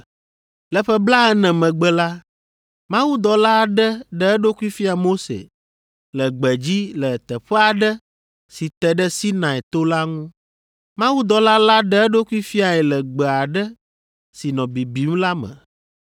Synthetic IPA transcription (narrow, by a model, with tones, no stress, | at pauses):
lɛ˨ɸə˦bla˦ɛ˦nɛ̃˨mɛ̃˨ɡ͡bɛ˦la˦ | mã˦wu˦d̪ɔ˨la˦ɖə˦ɖɛ˦ɛ˦ɖo˦ku˦i˦fi˦a˨mo˦sḛ˨ | lə˨ɡ͡bə˨d͡ʑi˦lə˨t̪ə˨ɸɛ˦a˨ɖə˦ | si˨t̪ɛ˨ɖə˦si˦nã˨ɛ˨t̪o˦la˦ŋũ˦ | mã˦wu˦d̪ɔ˨la˦la˦ɖə˦ɛ˦ɖo˦ku˦i˦fi˦a˨ɛ˨lə˨ɡ͡bɛ˨a˨ɖə˦ | si˨nɔ̃˨bi˨bi˨ŋũ˦la˦mə̰̃˨